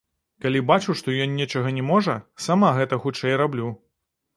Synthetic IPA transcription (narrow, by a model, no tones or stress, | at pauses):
kalʲibat͡ʂuʂt̪ɔjɔnːʲɛt͡ʂɐɣɐnʲɛmɔʐɐsamaɣɛt̪ɐxut͡ʂɛjrablʲu